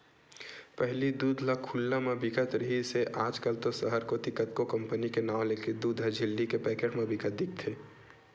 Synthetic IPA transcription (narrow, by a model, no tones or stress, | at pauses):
pɛɦlid̪uːd̪ʱlakʰulːamẽbɪkət̪ɾəɦiseʔaːd͡ʒkəlt̪osəɦəɾkot̪ɪkət̪kokəmpənikenaːwleked̪uːd̪ʱəd͡ʒʱɪlːikepɛːkeʈmẽbɪkət̪̚d̪ɪk̚ʰt̪ʰeː